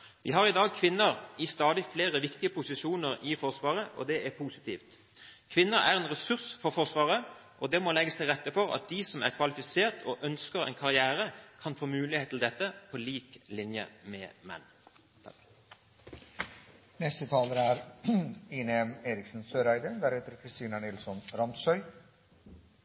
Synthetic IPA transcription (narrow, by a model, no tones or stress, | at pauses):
ʋɪ̰ɦɑʁɪd̪ɑːɡ̚kʰʋɪnːəʁɪst̪ɑːd̪ɪfleːʁəʋɪkt̪ɪəpʊsɪʃuːnəʁɪfɔʁsʋɑːʁəʔɔ̰d̪ɛʔæʁpʰuːsɪ̥t̪iːft̪ | kʰʋɪnːəɾæ̰ʁɛnʁɛsʉʁsfɔʁfɔʁsʋɑːʁə | ʔɔd̪ɛmɔlɛɡːəst̪ʰɪlʁɛt̪ːəfɔʁɑ̰t̪̚d̪isɔmæ̰ʁkʰʋɑlɪfɪseːʁt̪ʰɔʔœnskəʁɛ̰ɪnkʰɑʁɪæːʁəkʰɑnfoːmʉːlɪheːt̪ɪl̩d̪ɛt̪ːəpʰɔliːklɪnjə̰mɛ̰mɛ̰nː | nɛst̪ət̪ʰɑːləɾæɾ | iːnɛmeːɾɪksn̩søːɾæɪd̪əd̪æɾhɛːt̪əɾkʰɾɪst̪iːnənɪlsɔnɾɑmsœʏ